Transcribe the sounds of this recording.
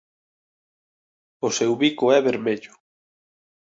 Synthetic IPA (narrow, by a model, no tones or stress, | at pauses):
ʊsewβikʊɛβeɾmeʎʊ